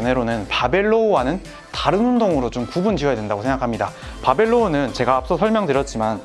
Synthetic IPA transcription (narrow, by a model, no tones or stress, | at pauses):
ne̞ɾonɯnpabe̞ɭːowanɯn | taɾɯnumdoŋɯɾot͡ɕomkubund͡ʑiʌjadwendaɡosʰeŋɡakʰamɲidapabe̞ɭːoːnɯnt͡ɕe̞ɡaːp̚s͈ʌsʰʌɭmjʌŋdɯɾjʌt̚t͡ɕ͈iman